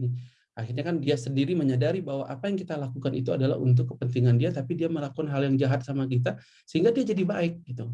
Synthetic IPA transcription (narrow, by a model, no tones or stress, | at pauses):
ni | axirɲakandiasəndiɾiməɲadaɾibaɦwaʔapajaŋkit̪alakukanḭt̪ua̰dala̰hṵnt̪̬ʊkːəpənt̪iŋandiat̪apidiaməlakanɦaljaŋd͡ʒaɦat̪̚samak̬it̪̬a | səɦiŋɡadiad͡ʒadibaɪk̚ɡit̪u